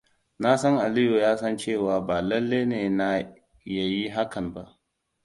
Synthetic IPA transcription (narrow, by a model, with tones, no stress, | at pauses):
na˦sɐ˦ŋʔa˨lɪ˦jo˨jaː˦sɐ˦nt͡ʃeː˦˨waː˨baː˨lɐ˦lːe˦neː˨na˦ | jɐ˦ji˦ɦa˦kʰɐ˨mba˦ʔ